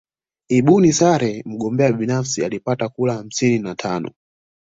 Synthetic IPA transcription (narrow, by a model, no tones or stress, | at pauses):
iɓunisaɾɛm̩ɡɔmbɛaɓinafsialipatakulaham̩sininatʰaːnɔ̰